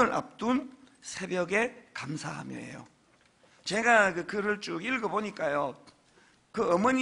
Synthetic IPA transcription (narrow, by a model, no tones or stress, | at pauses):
ɯɾʔa̰p̚t͈unsʰe̞bjʌɡe̞kamsʰa̰ha̰mjʌ̰ḛjo̰ | t͡ɕe̞ɡakɯkɯɾɯɭt͡ɕ͈uɡiɭɡʌboɲik͈ajo | kɯʌmʌɲ